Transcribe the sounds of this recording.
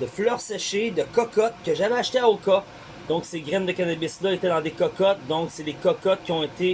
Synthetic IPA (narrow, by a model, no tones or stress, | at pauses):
d̪̥əflœʁsɛʃed̪əkɔkɔt̪̚kʲəʒavɛaʃt̪eaokɔ | d̪ɔ̃kseɡʲʁɛnd̪əkanabɪslʌet̪ɛd̪ɑ̃d̪ekɔkɔt̪̚d̪ɔ̃ksed̪ekɔkɔt̪̚kʲiɔ̃et̪e